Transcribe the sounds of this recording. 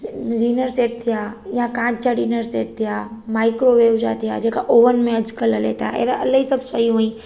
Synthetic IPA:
ɾiːnəɾseʈ̚t̪ʰijajãkãːd͡ʑ̚t͡ɕaɾiːnəɾseʈ̚t̪ʰijamaikɾoʋeʋd͡ʒa̰t̪ija̰d͡ʑekaʔoʋənmẽəd͡ʑkələlḛt̪a̰ḛɾaʔələisəbsəiɦõĩ

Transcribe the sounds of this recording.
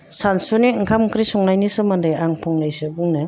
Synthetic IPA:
sansuniɯŋkʰamkɾisɔŋnajnisɯmandajaŋpʰɔŋnajsɯbuŋnɯ

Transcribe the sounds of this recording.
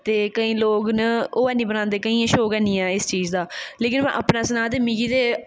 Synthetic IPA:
t̪eːkəĩːloːɡnəoːɛːnĩːbənãːnd̪eːkəĩːãːʃoːkɛːnĩːɛːɪst͡ʃiːd͡ʒd̪aːleːkɪnmɛ̰̃ːʔəpnaːsənaːt̪̬eːmĩːɡiːt̪eː

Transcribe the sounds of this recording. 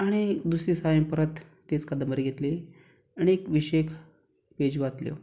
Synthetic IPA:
aɽ̃id̪usɾisajə̃pəɾət̪ː | et͡skəd̪əməɾɡʱet̪le | aɽ̃iekʋiɕekʰ | ped͡ʑʋat̪ljo̰

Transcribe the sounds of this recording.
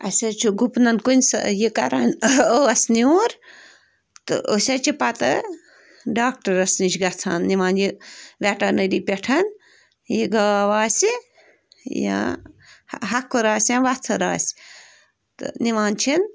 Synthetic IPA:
ɐ̰sʲɐt͡ʃʰiɡupnɐnkunʲsjikɐɾɐnəɐsniuɾ | t̪ɨ̰ʔosʲɐt͡ʃʰipɐt̪ɐ | ɖaːk̚ʈɐɾɐsnit͡ʃʰɡɐt͡sʰaːnnimaːnjiʋʲaʈɐnɐɾipʲeʈʰɐn | jiɡaːʋaːsi | jã̰ | ɦɐkuɾaːsʲjãʋɐt͡sʰɐɾa̰ːs | t̪ɨ̰nimaːnt͡ʃʰin

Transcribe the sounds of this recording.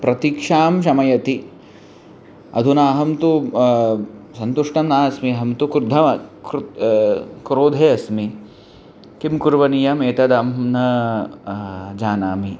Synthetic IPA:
pɾɐt̪ikʂaːmʃ̬ɐmɐjɐt̪i | ɐ̰d̪ʱunaːɦɐmt̪u | sɐnt̪uʂʈɐmaːɐsmiɐɦɐmt̪ukɾud̪ʱɐɐkɾ | kɾoːd̪ʱeːɐsmi | kimkuɾʋɐnijɐmeːt̪ɐd̪ɐmnɐ | d͡ʒaːnaːmi

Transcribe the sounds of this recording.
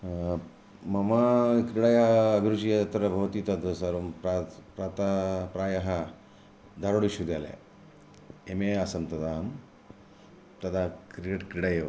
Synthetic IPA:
mɐmakɾiɽajːɡʱɾut͡ʃijat̪ɾɐbʱɐʋt̪iːt̪ɐd̪əsɐɾompɾapɾat̪apɾajaɦa | d̪ʱaɾoɽuɕud̪jalḛ | emeasɐmt̪ɐd̪am | t̪ɐd̪akɾikeʈkɾiɽajeʋ

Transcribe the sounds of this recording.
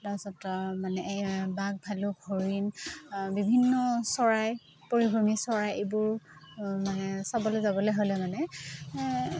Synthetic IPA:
dasɔtɔmanɛʔjbak̚bʱalʊɡʱoɹinbibʱinːɔsɔɹaj | poɹibʱɹomisɔɹajebʊɹmanɛsabɔlezabɔloɦolɛmanɛ

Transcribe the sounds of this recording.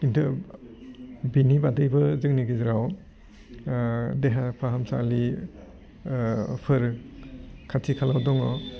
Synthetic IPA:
kintʰɯ | binibadɯjbɯzɯkniɡizɾaw | deɦapʰaɦamsa̰li | pʰɯɾ | kʰatʰikʰalawdɔŋɔ

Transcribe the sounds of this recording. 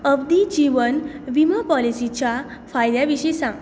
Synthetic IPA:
əbd̪id͡ʑiʋənʋiməpɔlisit͡ɕafajd̪jaʋiɕisãŋ

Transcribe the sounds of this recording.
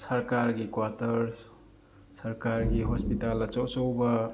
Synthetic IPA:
sɐɾkaɾɡikwatɐɾs | sɐɾkaɾɡiɦɔspitalɐt͡ʃɔwt͡ʃowbɐ

